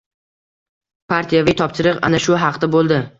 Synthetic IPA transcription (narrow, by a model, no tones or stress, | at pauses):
pʰaɾt̪ʰijavɪjt̪ʰɒpʃɪɾɨqa̰naʃʊɦɑqt̪abolˠd̪ɪ